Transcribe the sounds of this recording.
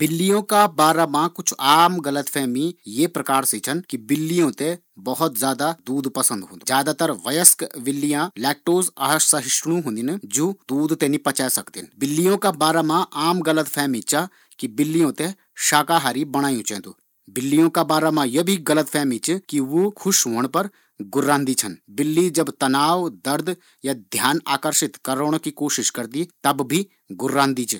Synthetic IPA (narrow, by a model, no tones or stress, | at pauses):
b̥ɪlːijõkabaːɾamãkʊt͡ʃʰaːmɡɐlət̪pʰɛːmĩjepɾɐkaːɾsit͡ʃʰɐnkibɪlːijõt̪e | bɐɦɔt̪zjaːd̪ad̪uːd̪pɐsə̃nd̪ɦõ̰nd̪ud͡ʒjaːd̪aːt̪ɐɾʋɐjəskʋɪlːijãlɛːk̚ʈoːzaɦsɐɦɪʃɽ̃ũɦũːnd̪ind͡ʒoːd̪uːd̪t̪enipɐt͡ʃaːsɐkd̪inbɪlːijõkabaːɾamãʔaːmɡɐlət̪pʰɛːmĩt͡ʃa | kibɪlːijõt̪e | ʃaːkaːɦaːɾibɐɽ̃aːjũt͡ʃʰɛ̰̃ːt̪ṵː | bɪlːijõkabaːɾamãjebʱiɡɐlət̪pʰɛːmĩt͡ʃkiʋokʰʊʃɦoːəɽ̃pɐɾ | ɡʊɾːaːnd̪it͡ʃʰɐnbɪlːid͡ʒɐbt̪ɐnaːʋd̪ɐɾd̪ʱ | jad̪ʱjaːna̰ːkəɾʃɪt̪kɐɾoɽ̃kikoːʃɪʃkɐɾd̪it̪ɐbbʱi | ɡʊɾːãːnd̪it͡ʃ